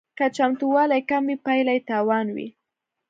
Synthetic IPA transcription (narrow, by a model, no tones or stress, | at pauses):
kat͡ʃamt̪uwɑlajkambipajlajt̪ɑwɑnwḭ